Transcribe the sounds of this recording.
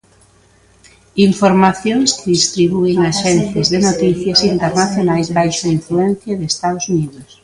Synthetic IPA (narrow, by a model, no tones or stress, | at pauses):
iɱfoɾmaθjoŋskɪðist̪ɾiβueŋaʃɛnθjazðɪnot̪iθjasint̪eɾnaθjonajzβajʃaiɱfluɛ̃n̟θjaðeːst̪aðosuniðʊs